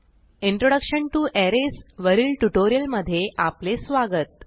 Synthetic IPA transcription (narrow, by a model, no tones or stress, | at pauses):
iɳʈɾoɽəkɕəɳʈuːʔɛɾesʋəɾiːlʈuʈoɾijəlməd̪ʱːjeʔaplesʋaɡət̪̚